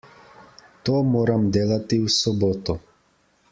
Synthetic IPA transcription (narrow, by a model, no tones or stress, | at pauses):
t̪omoːɾamd̪eːlat̪iusɔbɔt̪ɔ